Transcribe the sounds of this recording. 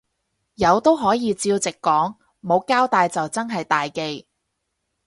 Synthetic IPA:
jɐ˨˧wt̪o˥wɦɔː˨˥jiː˨˧t͡siː˧wt͡sɪ˨kːɔː˨˥ŋ | mo˨˧wkaː˥wt̪aː˨jt͡sɐ˨wt͡sɐ˥nɦɐ˨jt̪aː˨jke˧j

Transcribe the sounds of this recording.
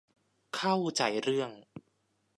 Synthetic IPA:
kʰa˥˩wt͡ɕa˨˩jɾɯ˥˩əŋ

